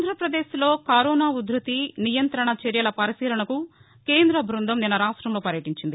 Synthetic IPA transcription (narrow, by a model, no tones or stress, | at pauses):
nd̪ɾɐpɾɐd̪eːʃlo̞ːkɐɾɔːnaːud̪ɾɐt̪inijɐnt̪ɾɐɳɐt͡ʃeɾjɐlɐpɐɾisiːlɐɳɐku | ke̞ːnd̪ɾɐbʱɾund̪ʱɐmninɐɾaːʂʈɾɐmlo̞ːpɐɾjɐʈiɲt͡ʃind̪i